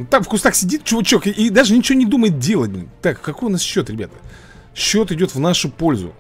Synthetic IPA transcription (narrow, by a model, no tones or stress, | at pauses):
t̪afkʊst̪axsʲɪdʲit̪t͡ɕʊvət͡ɕokʔid̪aʐɨnʲɪt͡ɕɪvʲonʲɪd̪uməjɪt̪̚dʲe̞lˠətʲmʲt̪akkːɐko̞jʊnasɕːo̞t̪ɾʲɪbʲat̪ə̥ | ɕːo̞t̪ɪdʲo̞t̪vnaʂʊpo̞lʲzʊ̰